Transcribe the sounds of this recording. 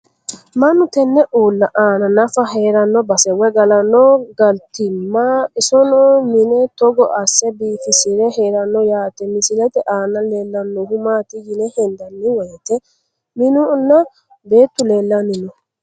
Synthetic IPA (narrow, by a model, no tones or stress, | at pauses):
mɐnːʊt̪ɛnːɛʔuːlːɐʔaːnɐnɐfɐɦeːɾɐnːɔbɐsɛwɛɡɐlɐnːɔɡɐlt̪ɪmːaʔɪsɔnɔːmɪnɛt̪ɔɡɔʔɐsːɛbiːfɪsɪɾɛheːɾɐnːɔjaːt̪ɛmɪsɪlɛt̪ɛʔaːnɐleːlːɐnːɔhʊmaːt̪ɪjɪnɛhɛnd̪ɐnːɪwɛjt̪ɛ | mɪnʊnːɐ | be̞ːt̪ːʊleːlːɐmɪnɔ